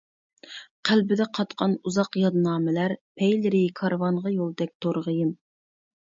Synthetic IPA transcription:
qʰælbɪd̪ɛqʰɑt̪qʰɑnuzɑqjɑd̪nɑːmɪlæɾpʰɛjlɪɾikʰɑɾvɑɴʁɑjolˠd̪ɛk̚ʲt̪ʰoɾʁəjɪm

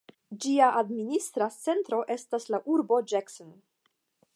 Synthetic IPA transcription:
d͡ʒiaʔadministɾat͡se̞ntɾo̞ʔe̞staslaʔuɾbo̞d͡ʒakson

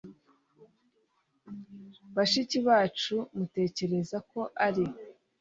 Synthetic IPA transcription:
βaʃiciβaːt͡ʃumute̞ːce̞ɾe̞zako̞ʔaɾi

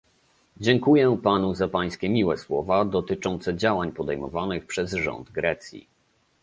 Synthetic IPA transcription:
d͡ʑɛŋkujɛpanuzapaj̃skʲɛmʲiwɛswɔvad̪ɔt̪ɘt͡ʂɔnt̪sɛd͡ʑawaɲpɔd̪ɛjmɔ̰vanɘxpʂɛzʐɔ̰nd̪ɡɾɛt̪sʲjḭ

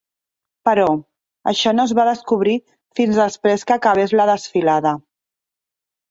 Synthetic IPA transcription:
pəɾɔ | ə̰ʃɔnozβaðəskuβ̞ɾi | finzðəspɾeskəkəβ̞ezləðəsfilaðə

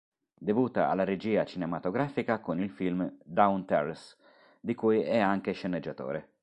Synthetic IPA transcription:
d̪evuːt̪a̰a̰lːaɾed͡ʒiːat͡ʃinemat̪oɡɾaːfikakonilfilmd̪awnt̪ɛris | d̪ikuːjɛaŋk̟eʃenːed͡ʒːat̪o̰ːɾe

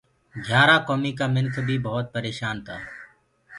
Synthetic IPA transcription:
ɡʱjaːɾaːkoːmiːkaːmɪnkʰbʱiːbəɦʊt̪̚pəɾeːʃaːnt̪ʰaː

